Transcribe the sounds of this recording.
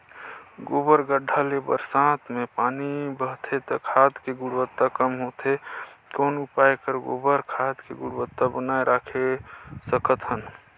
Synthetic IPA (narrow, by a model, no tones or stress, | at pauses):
ɡobəɾɡəɖʱalebə̰ɾsãt̪ʰmepaːnibəɦt̪ʰet̪ɔkʰad̪keɡʊɽwət̪ːakəmɦot̪ekoːnupajkəɾɡo̰bəɾkʰad̪keɡʊɽbət̪ːabənaeɾʔakʰesəkət̪ɦən